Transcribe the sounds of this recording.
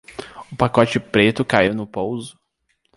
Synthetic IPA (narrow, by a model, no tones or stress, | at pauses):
ʊpakɔt͡ʃɪpɾet̪ʊkaiwnʊpowzʊ